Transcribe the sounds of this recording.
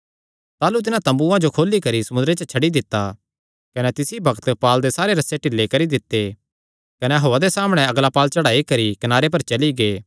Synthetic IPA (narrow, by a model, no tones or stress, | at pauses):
t̪aːlut̪ɪnãt̪ɐ̃mbuãd͡ʒokʰoːlːikɐɾisɐmʊnd̪ɾet͡ʃət͡ʃʰɐɽid̪ɪt̪ːa | kɐnɛt̪ɪsibʱɐkt̪paːld̪esaːɾeɾɐseʈɪlːekɐɾid̪ɪt̪ːe | kɐnɛɦoːad̪esaːmɽ̃ɛɐɡlapaːlt͡ʃɐɽaːikɐɾikɐnaːɾep̬ɐɾt͡ʃɐliɡeː